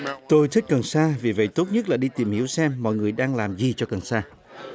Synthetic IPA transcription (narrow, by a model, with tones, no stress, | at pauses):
t̪o˧jt̪ʰi˦˥k̟̚kə˨˩nsaː˧vi˨˩və̰˧˨jt̪o˦˥t̚ɲə˦˥t̚laː˨˩ɗi˧t̪i˨˩mhḭ˧˥əwsɛ˧mːɔ̰˧˨jŋɨ˨˩əjɗaː˧ŋlaː˨˩mzi˨˩t͡ɕɔ˧kə˨˩nsaː˧